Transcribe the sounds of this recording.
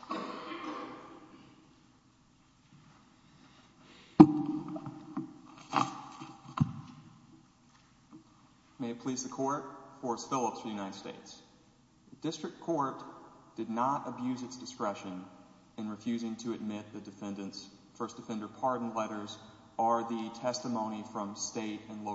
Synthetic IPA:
meɪpʰl̥izðɨkʰɔɹt̚fɔɹsfɪlˠəpsfəjʉnaɪɾɨd̥steɪts | ɨdɪstɹ̥ɨkkʰɔɹtd̥ɨdⁿnəɾɨbjʉzɨtsd̥ɨskɹɛʃɨ̃n | ɨ̃nɹɨfjʉzɪ̃ŋtʰɨɨd̚mɪt̪̚ðɨdɨfɛ̃ndɨ̃nts | fɜ˞sd̥ɨfɛ̃ndə˞pʰɑɹdn̩lɛɾə˞z | ə˞ðɨtʰɛstəmõʊ̃ñifɹʌ̃msteɪɾɨ̃nlo

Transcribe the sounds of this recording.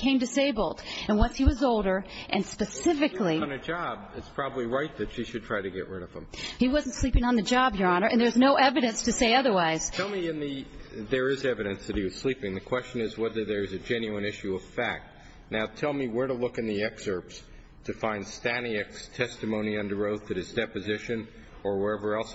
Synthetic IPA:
kʰẽɪ̃mdɨseɪbl̩ˠdɨ̃nwʌ̃nshiwʌzoʊlˠdə˞ʔɨ̃nspɨsɪfɨklĩnɨd͡ʒɑbɨtspʰɹ̥ɑbəbliɹaɪt̪̚ðɨtʃiʃɨdtʰɹ̥aɪɾɨɡɛ̰ʔɹɪɾʌv̥ə̃mhiwʌzn̩tslipɪ̃ŋə̃nðɨd͡ʒɑbjə˞ɑnə˞ʔɨ̃nðə˞znoʊʔɛvɨɾɨ̃nstɨseɪʌðə˞waɪz̥tʰɛlˠmiɨ̃nðɨðə˞ɪzɛvɨɾɨ̃nsðɨɾ̚hiwʌz̥slipɪ̃ŋðɨkʰw̥ɛst͡ʃɨ̃nɨzwɛðə˞ðə˞ɨzɨd͡ʒɛ̃njʉɨ̃nɪʃʉʌv̥fæk̚t̚ | naʊtʰɛlˠmiwəɹɾəlʊkɨ̃nðiɛksə˞ps | tʰɨfãɪ̃nd̥stæniɨkstʰɛstɨmõʊ̃niʌ̃ndə˞oʊθɨɾ̚ɨzdɛpɨzɪʃɨ̃n | ə˞wə˞ɛvə˞ɛlˠs

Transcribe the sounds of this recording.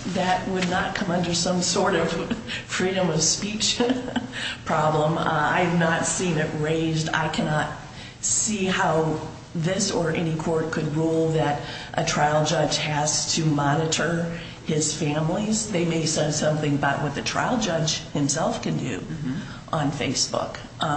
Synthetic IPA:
ðɨt̚wədⁿnət̚kʰʌ̃mʌ̃ndə˞sʌ̃msɔɹɾʌv̥fɹiɾɨ̃mʌv̥spit͡ʃ | pʰɹ̥ɑblə̃ma̰ɪɨvnətsĩnɪʔ̚ɹeɪzda̰ɪkʰænɑt̚ | sihaʊ | ðɪsə˞ʔɛñikʰɔɹt̚kʰɨd̚ɹulˠðɨɾʔɨtʰɹ̥aɪlˠd͡ʒʌd͡ʒʒ̥ɨz̥tʰɨmɑnɨɾə˞ | ɪz̥fæ̃mlizðeɪmeɪsɛ̃n̥sʌ̃mθɪ̃ŋbʌʔ̚wʌt̪̚ðɨtʰɹ̥a̰ɪlˠd͡ʒʌd͡ʒʒ̥hɨ̃msɛlˠfkɨ̃ndʉ̰ | ʔə̃nfeɪsb̥ʊ̰k

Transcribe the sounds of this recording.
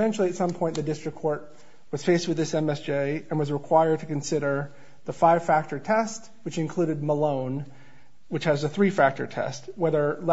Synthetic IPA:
ɛ̃nt͡ʃʉl̩ˠiɨtsʌ̃mpʰɔ̃ɪ̃nðɨdɪstɹ̥ɨkʰːɔɹt̚ | wʌz̥feɪst̚wɨðɪsɛ̃mɛsd͡ʒ̥eɪɨ̃nwʌzɹɨkʰw̥aɪə˞d̚tʰɨkɨ̃n̩sɪɾə˞ | ðəfaɪv̥fæk̚tə˞tʰɛst | wɨt͡ʃɨ̃nkʰl̥uɾɨd̚məlõʊ̃n | wɨt͡ʃhɨzðɨθɹifæk̚tə̰˞tʰɛ̰st̚wɛðə˞l

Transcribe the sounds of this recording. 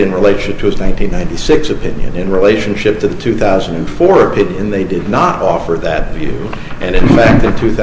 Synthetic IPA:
ɨ̃nɹileɪʃn̩ʃɪp̚tʰɨɨznãɪ̃ntʰĩnːãɪ̃ntisɪksɨpʰɪ̰̃njɨ̰̃nɨ̃nɹileɪʃɨ̃n̩ʃɪp̚tʰɨðɨtʰʉθaʊz̃n̩dɨ̃nfɔɹɨpʰɪ̃njɨ̃nðeɪdɨdⁿnəɾɔfə˞ðɨt̚vjʉ̰ʔɨ̃ñɨ̃nfæk̚tɨ̃ntʰʉθ

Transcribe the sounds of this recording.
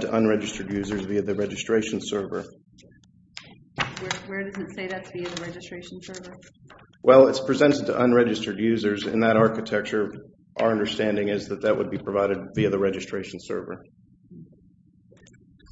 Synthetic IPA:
tʰɨʔə̃nɹɛd͡ʒɨstə˞djʉzə˞zviɨðɨɹɛd͡ʒɨstɹ̥eɪʃn̩sɜ˞və̰˞ | wə˞dʌzɨtseɪðɨtviɨðɨɹɛd͡ʒɨstɹ̥eɪʃn̩sɜ˞və˞ | wʔɛlˠɪtspʰɹ̥ɨzɛ̃ntɨd̚tʰɨ̰ʔə̃nɹɛd͡ʒɨstə˞djʉzə˞zɪ̰̃nðəɾɑɹkɨtʰɛk̚t͡ʃə˞ | ʔaʊə˞ʌ̃ndə˞stæ̃ndɪ̃ŋɪzðɨt̪̚ðɨt̚wə̰d̚bipʰɹ̥ɨvaɪɾɨd̚viɨðɨɹɛd͡ʒɨstɹ̥eɪʃn̩sɜ̰˞və̰˞

